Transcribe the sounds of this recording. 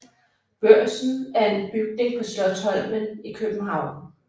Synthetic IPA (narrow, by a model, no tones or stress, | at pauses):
b̥ɶɐ̰sn̩æɐe̝nb̥yɡ̥̚ne̝ŋpʰɒ̽sd̥ɒt͡sʰɒ̽l̰mənikʰøb̥m̩ɦɑ̈ʊ̰n